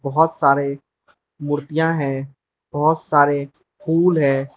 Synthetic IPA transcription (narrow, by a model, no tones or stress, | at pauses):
bɐɦɔt̪saːɾe | mʊɾt̪ijãɦɛ̃ː | b̥ɐɦʊt̪saːɾe | pʰuːlɦɛ̃ː